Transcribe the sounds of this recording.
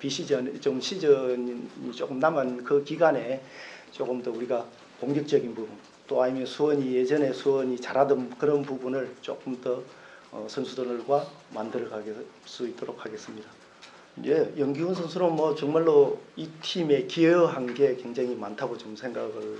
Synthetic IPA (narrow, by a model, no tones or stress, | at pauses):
piɕʰid͡ʑʌnt͡ɕomɕʰid͡ʑʌɲḭt͡ɕok͈ɯmnamɯnkɯkiɡane̞t͡ɕ͈ok͈ɯmtʌuɾiɡa | poŋɡʌk̚t͡ɕ͈ʌɡinpubun | t͈oaɲimjʌnsʰuwʌɲije̞d͡ʑʌne̞sʰuwʌɲit͡ɕaɾadɯnkɯɾʌnpubunɯɭt͡ɕok͈ɯmtʌ | ʌ̰sʰʌnsʰudonɯɭɡwa | mandɯɾʌɡaɡes͈uit̚t͈oɾok̚haɡe̞s͈ɯmɲid̥a | jejʌŋɡiunsʰʌnsʰuɾonmʌt͡ɕʌŋmaɭːoitʰime̞kieʌɦanɡe̞kwe̞ŋd͡ʑaŋimantʰaɡot͡ɕomsʰeŋɡaɡɯɭ